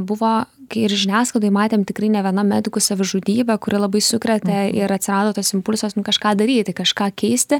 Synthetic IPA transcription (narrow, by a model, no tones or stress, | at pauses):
bʊʋoːkɐɪɾʒʲɪnʲæːsklɐd̪oːjmɑːt̪ʲeːmt̪ʲɪkrɐɪnʲɛʋʲiɛnɐmʲæd̪ʲɪkʊsɐʋʲɪʒʊd̪ʲiːbʲɛkʊɾʲɪlˠɐbɐɪsʊkɾʲɛt̪ʲɛɪɾɐt̪ʲsʲɪɾɑːd̪oːt̪oːsɪmpʊlʲsosnʊkɐʃkɑːd̪ɐɾʲiːt̪ʲɪkɐʃkɑːkʲɛɪsʲt̪ʲɪ